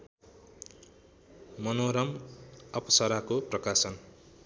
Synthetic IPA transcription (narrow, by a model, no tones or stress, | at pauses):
mʌnoɾʌmʌpʌsʌɾakoprʌkasʌn